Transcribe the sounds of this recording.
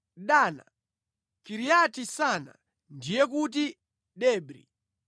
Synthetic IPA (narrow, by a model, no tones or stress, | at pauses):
ɗaːna̰ | kiɾijatisana̰ | ndijɛkut̬i | ɗɛːbɾḭ